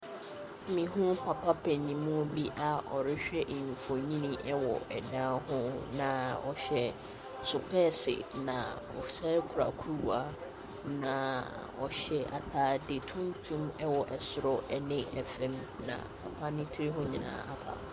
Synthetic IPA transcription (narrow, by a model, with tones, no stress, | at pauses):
mĩ˨ɦʊ̃˦pʰa˨pʰa˦pʰɛ̃˨ɲĩ˨mũ˦˨bi˦ʔa˨ɔ˨ɾɪ˦ɕᶣɛ˦ʔe˨ɲᶣũ˨fɔ˨ɲĩ˦nĩ˦ʔɛ˦wɔ̰˨ʔɛ̰˨dã˦hʊ̃˦nã˨ɔ˨ɕɛ˦ | sʊ˨pʰɛː˦sɪ̰˨nã̰˨ | ɔ̰˨fi̥˨sa˦kʰʊ˨ɾa̰˨kʰu˦ɾwa̰˨ | nã˨ | ɔ˨ɕɛ˦ʔa̰˨tʰaː˦de˨tʰũ˦n˦tʰũ˦mɛ˦wɔ˨ʔɛ˨sʊ˨ɾɔ˦ʔɛ˦nɪ̃˦ɛ˨fɛ̃˦mnã̰˨pʰa˨pʰa˦nĩ˦tʰɪ˦ɪ˦ɦʊ̃˦ɲĩ˨nã̰ː˦ʔa˦pʰa̰˨